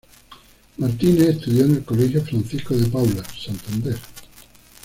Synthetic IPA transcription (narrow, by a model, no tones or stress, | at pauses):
maɾt̪ineːst̪uðjonelkolexjofɾãnθiskoðepawlasant̪and̪eɾ